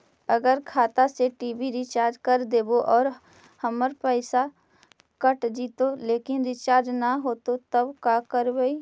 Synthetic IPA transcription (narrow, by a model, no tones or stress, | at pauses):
əɡəɾkʰaːt̪aseʈiːbiɾɪt͡ʃaːɾd͡ʒkɐɾd̪eːboʔɔːɾ | həməɾpəɪsa | kəʈd͡ʒiːt̪oleːkɪnɾɪt͡ʃaːɾd͡ʒnaɦoːt̪ot̪əbkaːkəɾbəi